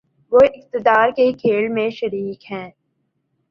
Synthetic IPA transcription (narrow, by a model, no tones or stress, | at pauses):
ʋoːɪq̚t̪ɪd̪aːɾkekʰeːlmẽʃɐɾiːkɦɛ̃ː